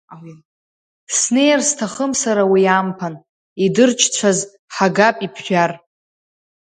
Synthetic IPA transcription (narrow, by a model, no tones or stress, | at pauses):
w | sne̞jarstʰaχəmsaɾawiampʰan | idɨrt͡ʃʰʼt͡ɕʷʰaz | ħaɡapʼipʰʃᶣar